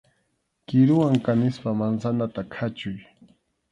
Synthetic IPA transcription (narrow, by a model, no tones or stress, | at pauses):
kɪɾʊwaŋkanɪspamansanat̪akʰat͡ʃʊj